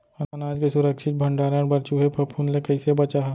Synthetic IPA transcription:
ɐnɐnaːd͡ʒkesʊɾəkʃɪt̪̚bʱɐ̃ɳɖaːɾãɾbɐɾt͡ʃuɦepʰɐpʰuːnlekɐɪsebɐt͡ʃaɦ

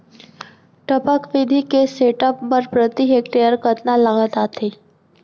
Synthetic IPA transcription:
ʈəpəkʋid̪ʱikeseʈəpːəɾpɾət̪iɦekʈejəɾkət̪nalaŋɡət̪at̪ʰe

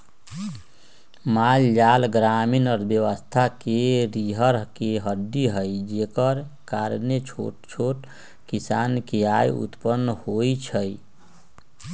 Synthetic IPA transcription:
mald͡ʒalɡɾaminɔɾbjəʋəst̪ʰakeɾiɦəɾkeɦəd̪ːiɦəjd͡ʒekəɾkaɾnet͡ʃʰo̰ʈt͡ʃʰoʈ | kisankeajṵt̪pənːhojt͡ʃʰəj

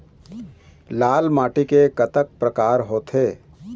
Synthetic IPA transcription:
laːlmaːʈikekɐt̪ək̚pɾəkaːɾɦoːt̪ʰeː

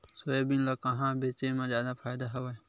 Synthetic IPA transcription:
soebinlakaɦãbet͡ʃemẽzjaːd̪apʰaːjd̪aɦɐʋa

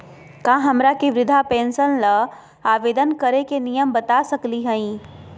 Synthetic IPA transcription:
kãɦɐmɾakiʋɾɪd̪ʱapẽːnsənlə | aːʋeːd̪ənkəɾekenijəmbət̪asəkliɦə̃ĩː

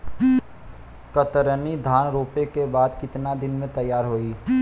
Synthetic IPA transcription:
kət̪əɾənid̪ʱaːnɾoːpekebaːd̪kɪt̪nad̪ɪnmẽt̪ɐjːaːɾɦoːiː

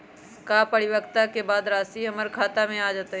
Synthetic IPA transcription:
kaːpəɽɪʋəkt̪akebaːd̪ɾaːsiɦɐməɾkʰaːt̪amẽaːd͡ʒaːt̪

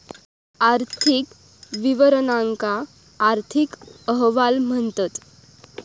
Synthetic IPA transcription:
aɾt̪ʰik | ʋiʋəɾnaŋkaː | ɾt̪ʰikəɦʋalm̤əɳt̪ət̪

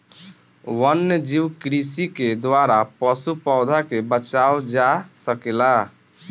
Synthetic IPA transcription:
wənːd͡ʒiwkɾisiked̪waɾapəsupɔʊd̪ʱakebət͡ʃaod͡ʒasəkela

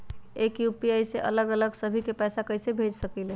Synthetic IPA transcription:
ekjupiəjseʔə̰ləɡələɡsəbʱikepɛjsakəjsebʱed͡ʒsəkile

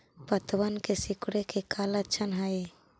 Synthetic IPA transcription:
pət̪wənkesikɽekekʰalət͡ʃʰənɦəj

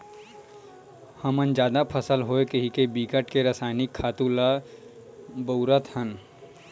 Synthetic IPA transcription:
həmənd͡ʒjaːd̪apʰəsəlɦoːekəɦikebiːkəʈkeɾəsaːɪnɪkʰːaːt̪ula | bəʊɾət̪hən

